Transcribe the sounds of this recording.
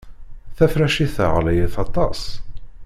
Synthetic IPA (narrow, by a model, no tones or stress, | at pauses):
θæfɾæʃiθə̰ʁlæjəθɑt̪ˤɑs